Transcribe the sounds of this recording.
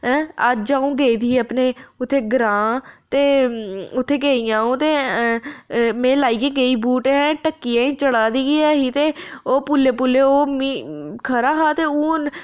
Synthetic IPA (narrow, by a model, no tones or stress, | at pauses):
ɦɛ̃ːəd͡ʒd͡ʒaːũːɡeːiːd̪iːəpneːʊt̪ʰːeːɡəɾãːt̪eːʊt̪ʰːeːɡeːijãːũːt̪eː | mẽːlaːiːɡẽːɡeːiːbuːʈeɦɛ̃ːʈəkːiːãːĩːt͡ʃəɽaːd̪iːɡiːɛːɦiːt̪eːoːpulːeːpulːeːoːmiːkʰəɾaːɦaːt̪eːũːn